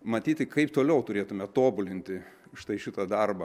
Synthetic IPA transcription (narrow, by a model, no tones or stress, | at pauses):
mɐt̪ʲiːt̪ʲɪkɐɪpt̪oːlʲɛʊt̪ʊɾʲeːt̪ʊmʲɛt̪oːbʊlʲɪnʲt̪ʲɪ | ʃt̪ɐɪʃʲɪt̪ɐd̪ɐrbɐ